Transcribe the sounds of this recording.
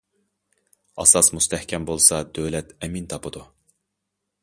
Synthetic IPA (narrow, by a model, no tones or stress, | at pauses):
ɑ̰sɑsmust̪ʰɛhkʲʰɛmbolˠsɑd̪øwlɛt̪ɛmint̪ʰɑpʰɨd̪u